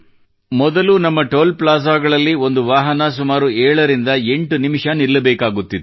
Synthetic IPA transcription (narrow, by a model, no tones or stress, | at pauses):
mɔd̪ɐlunɐmːɐʈoːlplaːs̬aːɡɐɭɐlːio̞nd̪uʋaːɦɐnɐs̬umaːɾuɛːɭɐɾind̪ɐe̞ɳʈunimiʂɐniɾlɐbɛːkaːɡut̪ːid̪e